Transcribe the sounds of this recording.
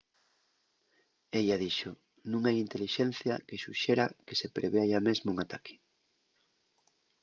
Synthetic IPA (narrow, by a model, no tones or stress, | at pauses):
eʎaðiʃoʊ | nũŋajint̪eliʃɛn̟θja̰keʃuʃeɾake̥sepɾʔeβeajamezmoʊuŋat̪akʰɪ̥